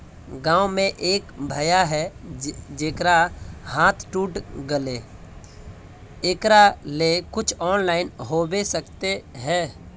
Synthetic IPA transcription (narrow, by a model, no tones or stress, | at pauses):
ɡãːwmẽʔeːkbʱəjaɦɛ | d͡ʒeːkɾahãːt̪ʰʈuːʈɡəleː | ekɾalekʊt͡ʃʰɔːnlaːɪnɦoːbesəkt̪eɦɛː